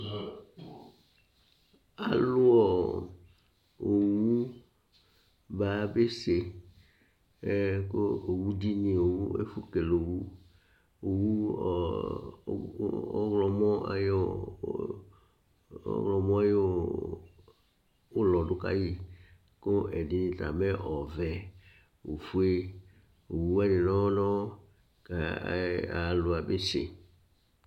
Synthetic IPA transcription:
a̰˨lʊ˦ɔ˨ | o˨wu˦ | ba˦be˦se˨ | e˦ko˦o˨wu˦di˦nĩ˨o˨wu˦ḛ˦fu˦ke˨lo˨wu˦ | o˨wu˦˨˦ | ɣlɔ˨mɔ̃˦a̰˨j | ɔ̰˦ɣlɔ˨mɔ̃˦a˦jo˨ | o˦lɔ˨dʊ˦ka̰˦ji˦ | ko˦ʔɛ˨di˨˦nĩ˨ta̰˨mɛ˦ʔɔ˨vɛ˨ | wo˨fu˦e˦ | o˨wu˦wɛ˦nɪ̃˨nɔ̃˦nɔ̃˦ | ka˨a̰˨lʊ˨a˨be˦sḛ˨

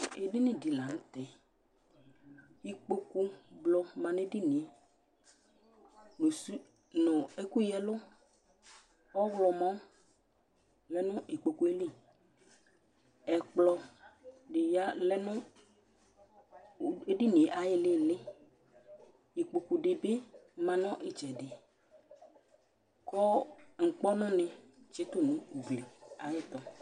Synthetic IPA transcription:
e˨dɪ˦nɪ̃˦di˨la˨ñ̩˦t̪ɛ˨ | i˦k͡po˦ku˦blɔ˨mã˨ne˦dɪ˦nĩ˨˦ | nu˨su˦ | nʊ̃˨e˦ku˦jɛ˦lʊ˦ | ɔ˦ɣlɔ˨mɔ̃˦ | lɛ˦nʊ̃˦ʔi˨k͡po˨ku˦e˦li˦˨ | ɛ˨k͡plɔ˨ | ɖe˨ja˦lɛ˦nʊ̃˦ | e˦ɖi˦nẽ˨ʔa˨jɪ˦lɪ˦lɪ˦ | ji˨k͡po˨ku˨ɖɪ˨be˦mã˨nɔ̃˦ʔɪ˦t͡ʃɛ˨dɪ˨ | kɔ˦ŋ̩˨k͡pɔ˦nɔ̃˦nẽ˨ | t͡ʃe˨˦t̪ʊ˦nũ˨˦u˨ble˨a˨je˦t̪ɔ˦

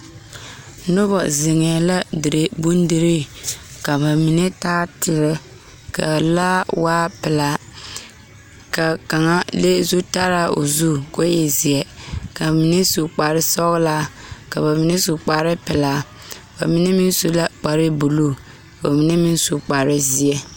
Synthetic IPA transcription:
nʊ˦bɔ˨zɪ˨ŋɛː˨la˦dɪ˨ɾe˦bu˦ndɪ˨ɾe˦ka˨ba˨mi˨nɛ˦taː˦tɪ˨ɾɪ˦ | ka̰˨la˦waː˦pɪ˨la˨ | ka˨ka˨ŋa˦le˦zu˦ta˦ɾa˦˨ʔo̰˨zu˦ko˦jɛ˨zi˨ɛ˦ka˨mi˨nɛ˦su˨k͡pa˨ɾɪ˦sɔ˦ɣlaː˦ka˨ba˨mi˨nɛ˦su˨k͡pa˨ɾɪ˦pɪ˨laː˨ | ba˨mi˦nɛ˦mi˦nso˦la˦k͡pa˨ɾɪ˦bu˨lo˦ | ka˨ba˨mi˨nɛ˦mi˦n˦su˨k͡pa˨ɾɪ˦zi˨ɛ˦

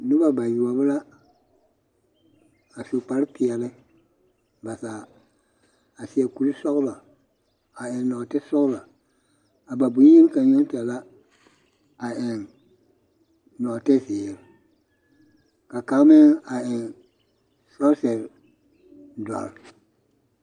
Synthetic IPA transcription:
nʊ˦ba˦ba˨ju˨ɔ˨bɨ˦la˦ | a˨su˨k͡pa˨ɾpʰɪ˨ɛ˨lɪ˦ | ba˨saː˨ | a˨si˨ɛ˨ku˨ɾi˦sɔ˦ɣla˨ | a˨ɪ˨n˦nɔ˨tɛ˦sɔ˦ɣla˨ | a˨ba˨bu˨˦e˦lka˨ɲɔ˦n˦ta˨la˦ | a˨ɪ˨n | nɔ˨tɛ˦sɪ˨ɛ˨ɾ | ka˨ka˨ɣmɛ˦a˨ɪ˨n | sɔ˦ɾsɛ˨ɾ | da̰˨ɾ

